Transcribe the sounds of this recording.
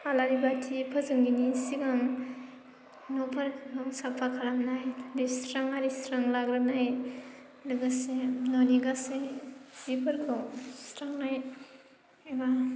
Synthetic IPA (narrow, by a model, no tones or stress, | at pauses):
alaɾibatʰipʰazɯŋɡinisiɡaŋ | nɔpʰaɾkɯŋsapʰakʰalamnajlistɾaŋaɾistɾaŋlaɡɾɯnaj | lɯɡasenoniɡasezipʰɯɾkʰɯŋsɾaŋnaj | ema